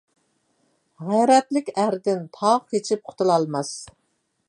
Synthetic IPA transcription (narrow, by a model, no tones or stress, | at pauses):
ʁæjɾɛt̪lɪkʲæɾd̪ɪnt̪ʰɑʁket͡ʃʰip̚qʰʊ̥t̪ʰɨlˠɑlˠmɑs